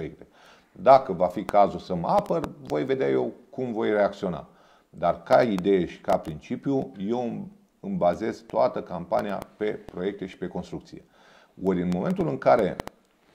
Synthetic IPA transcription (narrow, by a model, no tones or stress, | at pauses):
ek̚t̪e | d̪akəvafikazulsəmapərvo̞jve̞d̪eaje̞wkumvo̞jre̞ak̚t̪sio̞na̰ | d̪arkaid̪e̞jeʃi̥kapɾint͡ʃipjuje̞w | ɨmbaze̞zt̪oat̪əkampania̰pe̞pɾo̞je̞k̚t̪e̞ʃi̥pe̞ko̞nst̪ɾukt̪sije̞̰ | oɾʲɨnmo̞me̞nt̪ulɨŋkaɾe̞̰